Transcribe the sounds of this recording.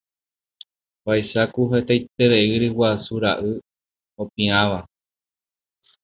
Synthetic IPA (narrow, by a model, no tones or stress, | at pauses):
pajʃakuɦet̪ejt̪e̞ɾeɨɾɨwasuɾaʔɨ | opĩãʋa